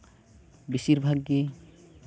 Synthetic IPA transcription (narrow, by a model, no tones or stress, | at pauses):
bisiɾbʱaɡːe